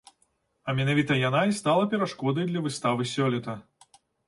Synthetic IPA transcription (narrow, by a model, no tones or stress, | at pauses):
ɐmʲɛnavʲit̪ɐjanaist̪alˠɐpʲɛɾaʂkɔd̪ɐjd̪lʲɐvɨst̪avɨsʲɔlʲɛt̪ɐ